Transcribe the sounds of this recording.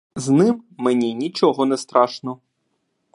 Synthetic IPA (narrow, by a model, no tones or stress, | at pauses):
znɪmːenʲinʲit͡ʃɔɦɔnɛst̪ɾɑʃnɔ